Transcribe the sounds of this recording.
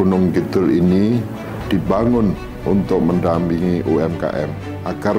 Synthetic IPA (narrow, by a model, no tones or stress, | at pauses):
unʊŋkit̪ʊlini | d̥ibaŋʊn | ʔunt̪ʊk̚məndampiŋiʔoɛmka̰ʔɛ̰m | ʔaɡ̥ar